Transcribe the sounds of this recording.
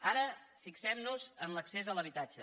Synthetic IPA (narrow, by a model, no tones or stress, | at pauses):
aɾə | fiksɛmnuzənləksezələβ̞it̪ad͡ʒə